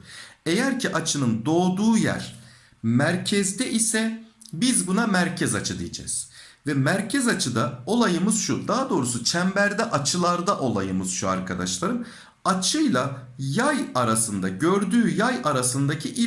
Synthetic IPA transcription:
e̞jæɾcʰiʔat͡ʃʰɯnɯnd̪o̞ːd̪uːjæ̰ɾ̥ | mæɾcʰɛzd̪ɛʔisɛbizbunamæɾcʰɛzat͡ʃʰɯd̪ijed͡ʒɛ̰ːz̥vɛmæɾcʰɛzat͡ʃʰɯd̪ao̞lˠajɯmɯz̥ʃud̪aɦad̪o̞ːɾusut͡ʃʰæmbæɾd̪ɛʔat͡ʃʰɯlˠaɾd̪aʔo̞lˠajɯmɯz̥ʃua̰ɾkʰad̪aʃlˠaɾɯm | at͡ʃʰɯjlˠa | jajaɾasɯnd̪aɟøɾd̪yːjajaɾasɯnd̪acʰiʔi

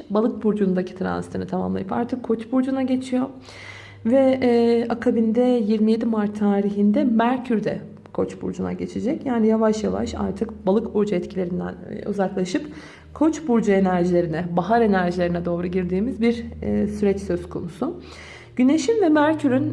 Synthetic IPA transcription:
balˠɯk̚buɾd͡ʒund̪acʰi̥t̪ʰɾa̰nst̪ʰɯnɯt̪ʰama̰mlˠa̰jpa̰ɾt̪ʰɯkʰːo̞t͡ʃbuɾd͡ʒunaɟe̞t͡ʃʰijo̞ | vɛakʰabind̪ɛjiɾmije̞d̪imaɾt̪ʰːaːɾiɦind̪ɛmæɾcʰyɾd̪ɛ̰ | kʰo̞t͡ʃbṵɾd͡ʒuna̰ɟe̞t͡ʃʰed͡ʒɛcjaːnijavaʃjava̰ʃa̰ɾt̪ʰɯkbalˠɯkbuɾd͡ʒuɛt̪cʰilʲe̞ɾind̪æ̰nṵzaklˠaʃɯp | kʰo̞t͡ʃbuɾd͡ʒue̞næɾʒilʲe̞ɾinɛbaɦaɾe̞næɾʒilʲeɾinɛd̪o̞ːɾuɟiɾd̪iːmizbiɾːsyɾɛt͡ʃsøzkʰo̞nusʊ | ɟ̥yne̞ʃinvɛmæɾcʰyɾyn

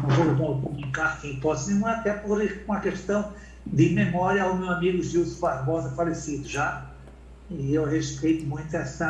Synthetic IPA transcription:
ũfobɔ̃pũmĩkaʁkẽpɔsiɐt̪ɛpɔɾiɾkõɐkɨʃt̪ɐ̃w̃ | d̪ɨmɨmɔɾjɐawmewɐmiɣuʒiwsfaɾβɔzɐfɐlesiðuʒa | iewʁeʃpejt̪umũj̃t̪ɛsɐ

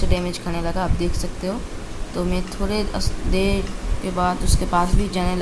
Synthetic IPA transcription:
ɖeːmed͡ʒkʰɐnelɐɡaːp̚d̪eːkʰsɐk̚t̪eɦoː | t̪oːmɛ̃t̪ʰoːɽeɐsd̪eːkebaːd̪ʊskepaːsbʱid͡ʒaːnel

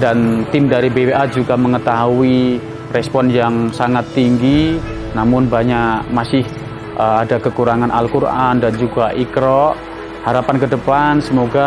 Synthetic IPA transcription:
dant̪ɪmdaɾibebeʔad͡ʒuɡaməŋət̪aɦui | rɛspɔnjaŋsaŋat̪ːiŋɡi | namʊnbaɲaʔmasɪh | ʔəadakəkuɾaŋanʔalkuɾʔandand͡ʒuɡaʔikɾɔʔ | haɾapankədəpansəmoɡa

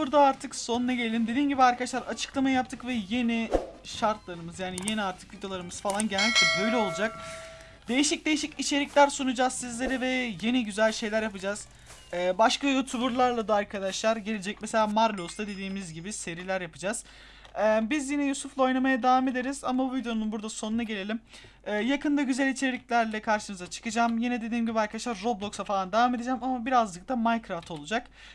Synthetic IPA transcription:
buɾd̪aːɾt̪ʰɯkso̞nunaɟe̞lʲelʲimd̪e̞d̪iːmɟibiaɾkʰad̪aʃlˠaɾat͡ʃʰɯ̥klˠamajap̚t̪ʰːɯkvɛje̞niʃaɾt̪lˠaɾɯmɯzjaːnije̞niaɾt̪ʰɯ̥kvid̪jo̞lˠaɾɯmɯz̥falˠanɟelʲnʲic̚t̪ɛbø̞jlʲɛo̞lˠud͡ʒak̚ | d̪e̞jiʃic̚d̪e̞jiʃicit͡ʃʰe̞ɾicʲlʲæɾsunud͡ʒazsizlʲe̞ɾɛvɛje̞niɟyzælʲʃe̞jlʲæɾjapɯd͡ʒaz̥ | ɛːbaʃkajut̪ʰubuɾlˠaɾlˠad̪ɯaɾkʰad̪aʃlˠaɾɟe̞lʲed͡ʒɛc̚mese̞lʲaːmaɾlʲost̪ad̪e̞d̪iːmizɟibise̞ɾilʲæɾjapɯd͡ʒaz̥ | ɛbizjinɛjusuflˠao̞jnamajad̪avame̞d̪eɾizamabuvid̪eo̞nunbuɾd̪asonunaɟe̞lʲe̞lʲim | ɛːjakɯnd̪ˠaɟyzælʲit͡ʃʰe̞ɾʲicʲlʲæɾlʲɛkʰaɾʃɯmɯzat͡ʃʰɯ̥kɯd͡ʒamjinɛd̪e̞d̪iːmɟibiaɾkad̪aʃlˠaɾːo̞blˠo̞ksafalˠand̪avame̞d̪ed͡ʒɛæmamabiɾazd̪ɯk̚t̪amajkɾaft̪ʰo̞lˠud͡ʒak

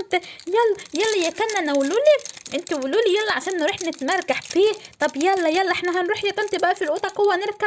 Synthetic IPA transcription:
nt̪ijælːæjælːæjækænːænæwluːliʔɪnt̪iwʊluːlijælːæʕaʃæːnːeɾuːħnɪt̪mæɾˤɡaħfiːt̪ˤɑbjælːæjælːæʔeħnæɦænɾuːħjæt̪æmt̪ibæʔæfilʔut̪ˤɑqowːænɪɾka

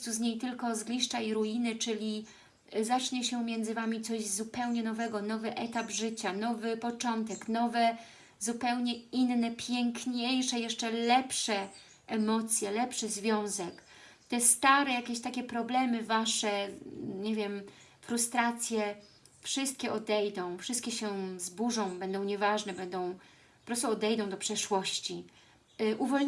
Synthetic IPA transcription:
t̪suzɲejt̪ɘlkɔzɡlʲiʂt͡ʂaiɾujinɘt͡ʂɘlʲi | zat͡ʂɲɛɕɛmʲjɛnd̪zɘvamʲit̪sɔʑzupɛwɲɛnɔvɛɡɔnɔvɘʔɛt̪abʐɘt͡ɕanɔvɘpɔt͡ʂɔnt̪ɛknɔvɛ | zupɛwɲɛinːɛpʲjɛŋkɲejʂɛjɛʂt͡ʂɛlɛpʂɛ | ʔɛmɔt̪sʲjɛlɛpʂɘzvʲjɔ̃w̃zɛk | t̪ɛst̪aɾɛjakʲeɕt̪akʲɛpɾɔblɛmɘvaʂɛɲevʲjɛm | fɾust̪ɾat̪sʲjɛ | fʂɘst̪̚kʲɛɔd̪ɛjd̪ɔ̃w̃fʂɘst̪kʲɛɕɛzbuʐɔ̃w̃bɛnd̪ɔ̃w̃ɲɛvaʐnɛbɛnd̪ɔ̃w̃ | pɔpɾɔst̪uɔd̪ɛjd̪ɔ̃w̃d̪ɔpʂɛʂwɔɕt͡ɕi | ʔuvɔl

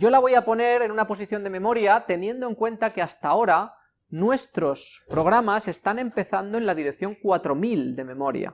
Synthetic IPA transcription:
ɟ͡ʝo̞laβ̞o̞japo̞ne̞ɾe̞nunapo̞s̬iθjo̞nd̪e̞mẽ̞mo̞ɾjat̪e̞njẽ̞nd̪o̞e̞ŋkwe̞nt̪ake̞ast̪ao̞ɾa | nwe̞st̪ɾo̞spɾo̞ɣ̞ɾamase̞st̪ane̞mpe̞θand̪o̞enlaðiɾe̞kθjo̞ŋkwat̪ɾo̞mild̪e̞mẽ̞mo̞ɾja̰

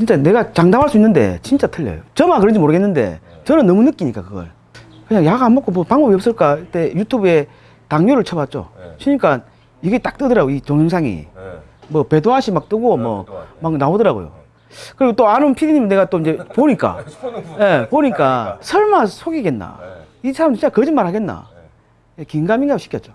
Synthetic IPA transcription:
t͡ɕint͡ɕ͈ane̞ɡat͡ɕaŋdamɦaɭs͈uinːɯnde̞̰t͡ɕint͡ɕ͈atʰɯɭːḛjo̰t͡ɕʌmakɯɾʌnd͡ʑimoɾɯɡe̞nːɯnde̞̰t͡ɕʌnɯnːʌmunɯk͈iɲik͈akɯɡʌ̰ɭ | kɯɲaŋjaɡaambok͈omʌpaŋbʌbiʌp̚s͈ɯɭk͈ait͈e̞jutʰube̞ | taŋɲoɾɯɭt͡ɕʰʌbat̚t͡ɕ͈o̰t͡ɕʰiɲik͈an | iɡe̞t͈ak̚t͈ɯdʌɾaɡoit͡ɕoŋjɯŋsʰaŋḭ | mʌpe̞doaɕʰimak̚t͈ɯɡomwʌ̰maknaodʌɾaɡo̰jo̰ | kɯɾiɡot͈oanɯnpʰidiɲimnːeɡat͈oind͡ʑe̞poɲik͈a̰je̞poɲik͈asʰʌɭmasʰoɡiɡe̞nːa̰isʰaɾamdɯt͡ɕit͡ɕakʌd͡ʑinmaɾhaɡe̞nːa̰ | jekiŋɡamiŋɡaɡɕʰi̥kjʌt̚t͡ɕ͈o̥

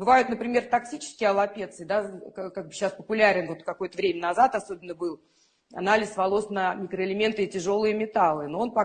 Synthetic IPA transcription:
bɨvajʊt̪nəpɾʲɪmʲe̞rt̪ɐksʲit͡ɕɪ̥skʲɪjəɐlˠɐpʲe̞t̪sɨd̪akkaɡ̚bɨɕːaspəpʊlʲaɾʲɪnvo̞t̪kɐko̞jət̪əvɾʲemʲənɐzat̪ɐso̞bʲɪnːəbɨlˠ | ɐ̰nalʲɪsvɐlˠo̞snəmʲɪkɾəɪlʲɪmʲe̞nt̪ɨɪtʲɪʐo̞lˠɨjəmʲɪt̪alˠɨnoonpɐ

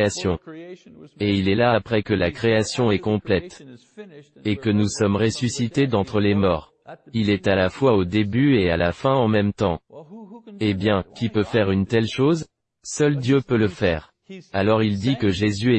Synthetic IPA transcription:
asjɔ̃ | eilɛlaːpχɛkəlakχeasjɔ̃ɛkɔ̃plɛt̪ | ekənusɔmʁesysit̪ed̪ɑ̃t̪χəlemɔːʁ | ilɛt̪alafwaod̪ebyeala̰fɛ̃ɑ̃mɛmt̪ɑ̃ | ebjɛ̃kʲipøfɛʁynt̪ɛlʃoz | sœld̪jøpøləfɛːʁ | alɔʁild̪ikəʒezyɛ

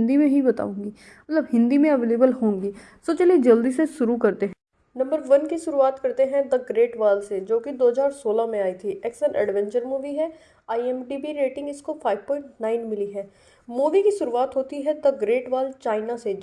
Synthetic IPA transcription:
nd̪imẽɦibɐt̪a̰ːũːŋɡiː | mɐt̪ləbɦɪ̃nd̪imẽəʋeːleːbəlɦõːŋɡiː | soːt͡ʃəlied͡ʒəld̪iseʃʊɾukɐɾt̪eɦɛ̃ː | nɐ̃mbəɾʋənkiʃʊɾuaːt̪kɐɾt̪eɦɛ̃d̪əɡɾeːʈʋaːlsed͡ʒoːkɪd̪oːɦəzaːɾsoːlamẽaːit̪ʰiʔɛksənʔɛ̰ɖʋɛ̃ɲt͡ʃəɾmuːʋiɦɛ | aːiɛmɖiːbiːɾeːʈɪ̃ŋɡɪskofʰaːɪʋpɔ̃ːɪ̃ɳʈnaːɪnmɪliɦɛː | muːʋikiʃʊɾuaːt̪ɦoːt̪iɦɛd̪əɡɾeːʈʋaːlt͡ʃaːɪnase

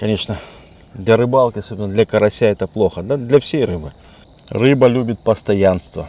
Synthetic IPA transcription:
kɐnʲe̞ʂnə | d̪lʲɐɾɨbalˠkʲɪɐsobʲɪnəd̪lʲɐkəɾɐsʲaɛt̪əplˠoxəd̪ad̪lʲɐfsʲejrɨbɨ | rɨbəlʲubʲɪt̪̚pəst̪ɐjanst̪və̰

